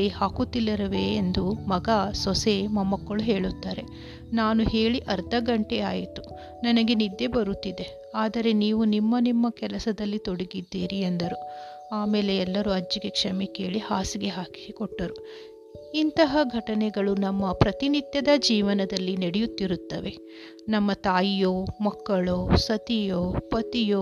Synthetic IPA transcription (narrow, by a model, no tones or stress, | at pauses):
ihaːkut̪ːilːɐɾɐʋeːnd̪umɐɡasɔsemɐmɐkːɐɭuɦeːɭut̪ːaːɾe̞ | naːnuɦe̞ːɭiʔɐɾd̪ɐɡɐɳʈeaːjit̪u | nɐnɐɡe̞nid̪ːe̞bɐɾut̪ːid̪e | aːd̪ɐɾe̞niːʋunimːɐnimːɐkɛlɐsɐd̪ɐlːit̪oɽiɡid̪ːeːɾiend̪ɐɾu | aːmeːle̞ɛlːɐɾuɐd͡ʒːiɡe̞kʂɐmeke̞ːɭihaːsiɡe̞ɦaːki̥sikɔʈːɐɾu | int̪ɐɦɐɡʱɐʈɐnɛɡɐɭunɐmːɐpɾɐt̪init̪jɐd̪ɐd͡ʒiːʋɐnɐd̪ɐlːineɽejut̪ːiɾut̪ːɐʋe̞ | nɐmːɐt̪aːjijoːmɐkːɐɭoːsɐt̪ijoːpɐt̪ijoː